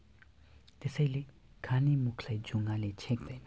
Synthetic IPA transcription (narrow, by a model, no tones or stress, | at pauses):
t̪esəjle | kʰanimukʰlajd͡ʒuŋɡalet͡ʃʰek̚d̪əjna